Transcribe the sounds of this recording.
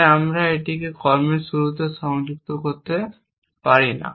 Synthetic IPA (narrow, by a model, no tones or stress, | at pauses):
amɾaeʈikekɔɾmeɾʃuɾut̪eʃɔŋd͡ʑuk̚t̪okoɾt̪e | paɾina̰